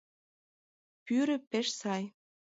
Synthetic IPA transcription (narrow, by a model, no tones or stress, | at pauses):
pyɾə̆peʃsɑj